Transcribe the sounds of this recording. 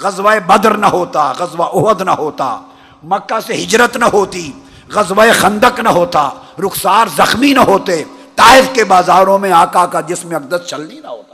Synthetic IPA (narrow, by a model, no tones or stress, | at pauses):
ɣɐzwaebɐd̪ɾnɐɦoːt̪aɣɐzwaʔʊɦəd̪nɐɦoːt̪a̰ː | mɐkːaseɦɪd͡ʒɾət̪nɐɦoːt̪i | ɣɐzʋaexɐ̃nd̪əknɐɦoːt̪aːɾʊxsaːɾzɐxminɐɦoːt̪eː | t̪aːɪfkebaːzaːɾõmẽaːkakad̪ɪsmeɐk̚d̪əst͡ʃɐlninɐɦoːt̪ḁː